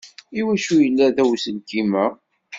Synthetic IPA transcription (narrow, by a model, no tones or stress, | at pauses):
iwæʃujəlːæðæwsəlkimæ